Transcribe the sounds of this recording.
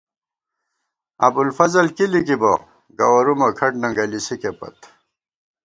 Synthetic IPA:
ɐ̰bulfɐzɐlkilikibɐ̰ | ɡɐ̰wɐɾumɐkʰɐʈnɐŋɡɐlisikepɐ̰t̪

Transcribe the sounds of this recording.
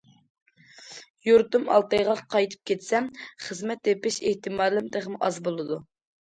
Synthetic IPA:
juɾt̪umɑ̰lˠt̪ɑjʁɑqʰɑjt̪ʰɨ̥p̚kʲʰet̪sɛmχəzmɛt̪ːepɪʃeht̪ɪmɑːlɪmd̪eʁmuʔɑzbolˠɨd̪u

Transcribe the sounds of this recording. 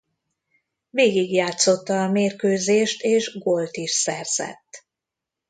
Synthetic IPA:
veːɡiɡjaːt̪so̞t̪ːɒːmeːrkøːzeːʃt̪eːʒɡolt̪iʃsɛrz̥ɛ̰t̪ː

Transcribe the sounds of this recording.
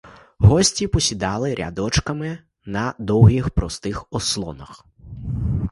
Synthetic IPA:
ɦɔsʲtʲipɔsʲid̪ɑlˠɪɾʲɐ̰d̪ɔt͡ʃkɐmɪ | nɐd̪ɔwɦʲixpɾɔst̪ɪxɔslˠɔ̰nɐx

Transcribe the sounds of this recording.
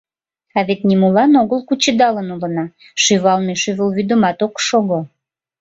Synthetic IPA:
ɑβet̪̚nʲimulɑnoɣəlkut͡ɕəd̪ɑlənulənɑ | ʃyβɑlmeʃyβəlβyd̪əmɑt̪okʃoɣo

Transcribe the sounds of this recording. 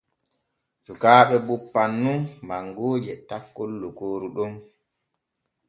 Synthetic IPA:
sukaːɓɛbupːanːunmaŋɡoːd͡ʒɛtakːolːukoːɾuɗɔm

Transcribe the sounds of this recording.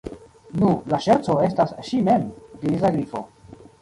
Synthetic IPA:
nulaʃeɾt͡so̞e̞stasʃime̞md̪iɾis̬aɡɾifo̞̰

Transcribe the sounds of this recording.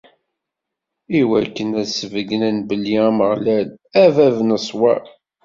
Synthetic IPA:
iwækːənæsəvəɡənænbəlːiæməʁlælævævnəsˤwæ

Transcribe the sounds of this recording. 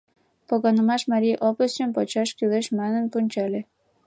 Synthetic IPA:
poɣɑnə̆mɑʃmɑɾʲiʔopəst͡ɕəmpɑt͡ɕɑʃkyleʃmænənpunʲt͡ɕɑle

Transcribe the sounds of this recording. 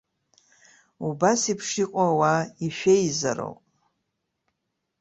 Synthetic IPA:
ubasipʰʂiqʼawaiʃᶣeiza̰ɾo̰wpʼ

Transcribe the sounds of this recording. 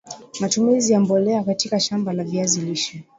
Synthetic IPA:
matumizijambɔlɛakatikaʃambalaviaziliʃi

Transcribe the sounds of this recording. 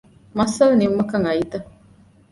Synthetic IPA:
mɐsɐlɐnimːɐkɐŋɐit̪ɐ

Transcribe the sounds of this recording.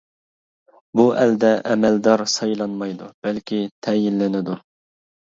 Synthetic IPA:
buʔɛld̪ɛʔɛmɛld̪ɑɾsɑjlˠɑnmɑjd̪ub̥ɛlkʲʰit̪ʰɛjinlɪnɪd̪u

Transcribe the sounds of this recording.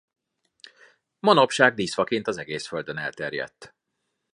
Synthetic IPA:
mɒno̞pʃaːɡ̚d̪iːsfɒkint̪ɒzɛɡeːsføld̪ønɛ̰lt̪ɛrjɛ̰t̪ː

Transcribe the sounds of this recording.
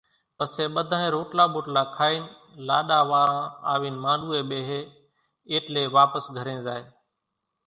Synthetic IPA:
pəseːɓəd̪ʱãːẽːɾoːʈlaːɓoːʈlaːkʰaːiːn | laːɗaːʋaːɾãːaːʋiːnmãːɗuːeːɓeːɦeː | eːʈleːʋaːpəsɡʱəɾẽːzaːɦeː

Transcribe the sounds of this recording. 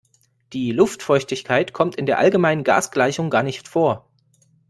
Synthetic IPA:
d̥iːlʊftfɔʏçtɪçkʰaɪtkʰɔmtɪndeːɐʔa̰lɡəmaɪnənɡa̰ːsɡ̥laɪçʊŋɡaːɐnɪçtfoːɐ

